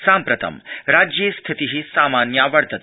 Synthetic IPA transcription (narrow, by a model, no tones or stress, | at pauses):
sãmpɾət̪ʰə̰mɾad͡ʒjest̪ʰit̪iɦisamanjaʋəɭt̪ət̪